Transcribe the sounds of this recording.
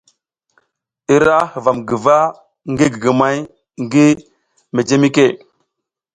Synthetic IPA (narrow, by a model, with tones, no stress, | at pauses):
i˦ɾa˦hə˨va˨mɡə˨va˦ | ŋɡi˦ɡə˨ɡə˨ma˨j | ŋɡi˦ | me˨d͡ʒe˦mi˦ke˦˨